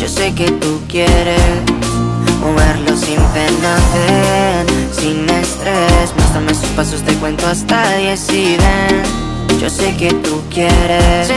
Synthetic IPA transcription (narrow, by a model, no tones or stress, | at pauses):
d͡ʒo̰seket̪ukjeɾe | oβeɾlo̞simpe̞naθeɾsine̞st̪ɾesmwest̪ɾamesospasozd̪ekwe̞nt̪oast̪aðjesiðe | d͡ʒo̞̰seket̪ukjeɾes